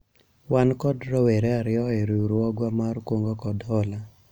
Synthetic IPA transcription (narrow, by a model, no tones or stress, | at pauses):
wankɔdɾɔweɾeaɾɪɔeɾuɾɔɡwamarkwoŋɡokɔdhɔla